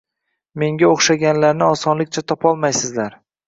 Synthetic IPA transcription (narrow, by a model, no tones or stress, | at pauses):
me̞ŋɡʲaoχʃaɡʲanlaɾnɪɒsɒnlɪkʲt͡ʃʰat̪ʰɒpʰɒlˠmajsɪzlaɾ